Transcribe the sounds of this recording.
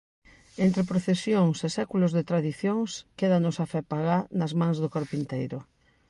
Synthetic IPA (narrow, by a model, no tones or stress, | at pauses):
ent̪ɾepɾoθesjoŋsesɛkulʊzðet̪ɾaðiθjoŋskeðanʊsafɛpaɣanɐzmãŋzðʊkoɾpint̪ejɾʊ